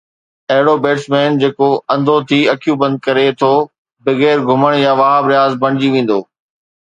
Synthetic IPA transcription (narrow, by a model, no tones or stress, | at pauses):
ɐɦɪɽobeːʈsmeːnd͡ʑeːkoɐ̃nd̪ʱot̪ʰiɐkʰijũbɐ̃nd̪̚kɐɾet̪ʰoː | bɐɣɛːɾɡʱʊməɽ̃jãʋaːɦbɾɪjaːzbɐ̃ɳ̃ɪd͡ʑiʋẽːn̆d̪o̰ː